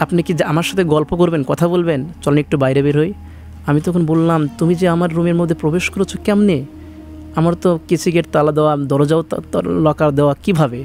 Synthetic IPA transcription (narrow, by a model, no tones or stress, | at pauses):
apnekid͡ʑamaɾʃat̪ʰeɡɔlpokoɾbenkɔt̪ʰabolbent͡ɕɔlnek̚ʈubajɾebeɾɦoj | amit̪ɔkʰonbollamt̪umid͡ʑeamaɾːumeɾmod̪ʱːepɾobeʃkoɾet͡ɕʰokɛmne | amaɾt̪okit͡ɕʰiɡeɾt̪alad̪eoad̪ɔɾod͡ʑaolɔkaɾd̪eoakibʱabe